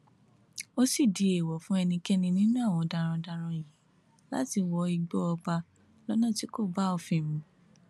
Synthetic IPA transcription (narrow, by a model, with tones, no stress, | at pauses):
o˦si˦˨di˨e˨wɔ˨fũ˦ɛ˧nĩ˧kɛ˦nĩ˧nĩ˦nũ˦a˦˨w̃ɔ̃˧da˧ɾ̃ã˧da˧ɾ̃ã˧˨jĩ˨˦ | la̰˦ti˧wɔ˧i˧ɡ͡bɔ˦ɔ˧k͡pa˧ | lɔ˦nã˦˨ti˨˦ko˦˨ba˦o˧fĩ˦˨mũ˨˧